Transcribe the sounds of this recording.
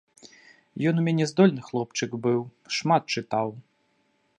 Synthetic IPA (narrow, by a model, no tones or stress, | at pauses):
jɔnumʲɛnʲɛzd̪ɔlʲnɨxlˠɔpt͡ʂɨkbɨwʂmat̪̚t͡ʂɨt̪aw